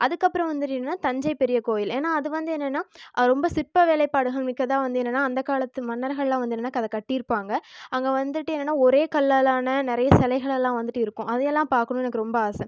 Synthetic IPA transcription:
ʔɐðɯkːɐpːɯɾɐ̃ʋɐnd̪ɯʈːnːnːaːt̪ɐɲd͡ʒɐɪpɛɾɪjɐkoːjɪleːnːaːɐðɯʋɐnd̪ɯɛnːɛnːaːɾɔmbɐsɪrpɐʋeːlɐɪpːaːɽɯɣɐɭmɪkːɐt̪ãːʋɐnd̪ɯɛnːɐnːaːɐnd̪ɐkaːlɐt̪ːɯmɐnːɐɾɣɐɭlãːʋɐnd̪ɯnːɐnːaːkɐðɐkɐʈːɪɪɾɯpːaːŋɡɐɐŋɡeʋɐnd̪ɯʈːɯɛnːɐnːaːɔɾeːkɐlːaːlaːnɐnɪɾɐjɐsɛlɐɪɣɐɭɛlːãːʋɐnd̪ɯʈːɯɪɾɯkːʊ̃ʔɐðɐjɛlːãːpaːɾkɐɳʊ̃ɛnɐkːɯɾɔmbɐaːsɐm

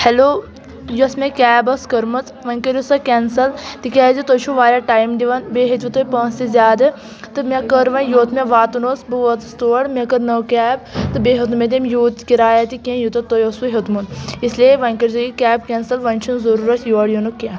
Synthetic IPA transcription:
heloː | josmekʲɛːbɐskɐɾmɐt͡s | ʋɐŋkɐɾjusɐkensɐlt̪ikʲaːzit̪ot͡ʃʰuʋaːɾaʈaːjmd̪iʋɐnbeɦit̪ʲʋut̪opãːnst̪izʲjaːd̪ɨ | t̪ɨmʲekɐɾʋɐjoːt̪mẽʋaːt̪unosbɨʋɐt̪st̪oːɐɽmʲekɐɾnɐwkɛːb̚t̪ɨbeːɦut̪med̪imjuːt̪kiɾaːjat̪ikʲẽjut̪ɐt̪ojosʋuɦɐt̪munislieʋɐŋʲkɐɾzujikʲɛːb̚kʲeːnsɐlʋɐnʲt͡ʃʰunzɐɾuːɾɐsjoɐɽjunuke

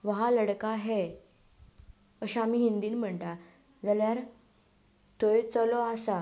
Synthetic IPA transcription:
ʋəɦaləɽkaɦe | əɕaːmiːɦind̪iːnm̤əɳt̪a | d͡zaljaɾ | t̪ʰəjt͡səlɔasa

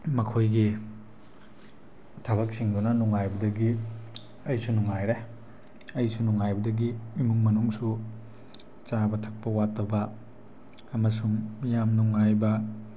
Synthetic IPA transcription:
mɐkʰojɡi | tʰɐβɐk̚siŋdunɐnuŋajbɐdɐɡi | ɐjsunuŋajɾe | ɐjsunuŋajbɐdɐɡimimuŋmɐnuŋsu | t͡ʃabɐtʰɐk̚pɐwatːɐbɐː | mɐsuŋjamnuŋːajbɐ

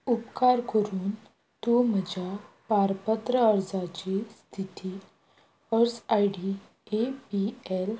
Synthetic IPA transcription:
upkaɾkəɾuːn | t̪um̤əd͡ʑʱa | paɾpət̪ɾəəɾd͡zat͡ɕist̪ʰit̪i | əɾsajɽi | epiel

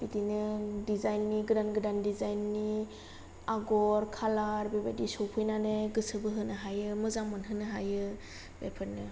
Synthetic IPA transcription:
b̥itinɯdizajnːiɡɯdanɡɯdandizajnːi | aɡɔɾkʰalaɾbebadisɔwpʰɯjnaneɡɯsɯbɯɦɯnɯɦajɯmɯzaŋmanɦɯnɯɦajɯ | bepʰɯɾnɯ

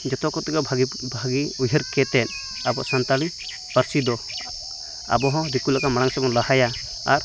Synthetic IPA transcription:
d͡ʒɔt̪ɔkɔt̪ɛkabʱbʱaɡiujɦəɾkɛt̪ɛn | abɔʔsant̪ali | paɾsid̪ɔ | a̰bɔɦɔ̃d̪ikulakamaɽaŋsɔbɔnlahaja | a̰ɾ

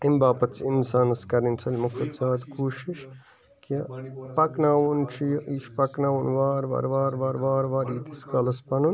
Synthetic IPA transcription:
imbaːpɐt̪t͡ʃʰinsaːnɐskɐɾint͡sʰɐlʲmɐkʰut̪d͡ʒaːd̪kuːʃiʃ | kɐpɐknaːwunt͡ʃʰijʔit͡ʃʰpɐknaːwunʋaːɾʋa̰ɾʋaːɾʋaːɾʋaːɾʋaːɾiːt̪iskɐlɐspɐnun

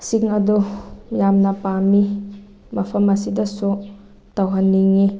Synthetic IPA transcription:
siŋɐdujamnɐpami | mɐpʰɐmɐsidɐsu | tɐwɦɐnːiŋi

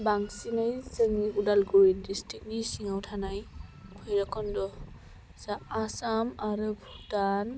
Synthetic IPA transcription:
baŋsinajzɯŋiudalɡɔwindistɾik̚nisiŋawtʰanajkʰɔjɾakʰɔndɔ | saːsamaɾɯbʰʱutan

